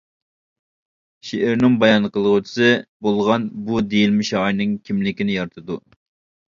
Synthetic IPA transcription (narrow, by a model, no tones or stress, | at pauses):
ʃeʔɪɾnɨŋbɑjɑnqəlˠʁʊt͡ʃʰɪ̥sɨbolˠʁɑnbud̪ejilmɪʃɑjnɨŋkʲʰimlɪkʲinɪjɑɾt̪ʰɨd̪u